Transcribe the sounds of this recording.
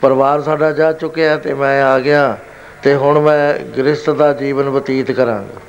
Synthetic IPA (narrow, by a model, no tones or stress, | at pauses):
pəɾʋaːɾsaːɖaːd͡ʒaːt͡ʃʊkːeaːt̪eːmɛ̃ːaːɡɪjãː | t̪eːɦʊɳmɛ̃ːɡɾɪst̪d̪aːd͡ʒiːʋənʋət̪iːt̪kəɾã̰ːŋɡ